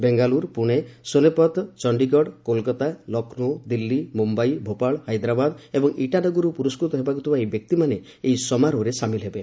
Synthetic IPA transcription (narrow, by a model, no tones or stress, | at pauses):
beŋɡaluɾpuɽ̃esonepɔt̪t͡ʃɔɳɖiɡɔɽkolkɔt̪alɔkʰnod̪ilːimumbajbʱopaɭhajd̪ɾabad̪ebɔŋiʈanɔɡuɾupuɾɔskɾut̪ɔɦebakut̪ʰibaejbjɔk̚t̪imane | ejsɔmaɾoɾesamilɦebe